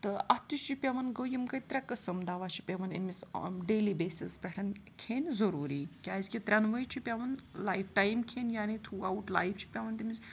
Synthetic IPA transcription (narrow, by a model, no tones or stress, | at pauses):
t̪ɨʔɐt̪ut͡ʃʰipʲjɐʋɐnɡəwjimkɐjt̪ɾʲakɐsɐmd̪aʋat͡ʃʰi̥pʲɐʋɐnḛmisɖeːlibeːsispʲɛʈʰɐnkʰeːnzɐɾuːɾiːkʲaːzkʲit̪ɾʲanʋəjt͡ʃʰipʲaʋɐnlajfʈajmkʰeːnjaːnit̪ʰɾuːawʈla̰jft͡ʃʰi̥pʲɐʋɐnt̪imiz